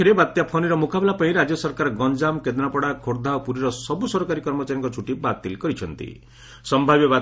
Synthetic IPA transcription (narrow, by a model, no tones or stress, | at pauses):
eɾebat̪japʰoniɾɔmukabelapaĩɾad͡ʒjɔsɔɾkaɾɔɡɔnd͡ʒamked̪napɔɽakʰoɾd̪ʱaopuɾiɾɔsɔbusɔɾɔkaɾikɔɾmɔt͡ʃaɾjɔŋkɔt͡ʃʰuʈibat̪ilkɔɾit͡ʃʰɔnt̪ḭ | sɔmbʱabjɔba